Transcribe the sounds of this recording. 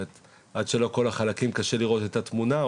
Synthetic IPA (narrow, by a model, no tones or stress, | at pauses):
et̪ | ʔad̪ʃe̞lo̞ko̞laχalakimkaʃe̞liʁo̞t̪e̞t̪at̪muna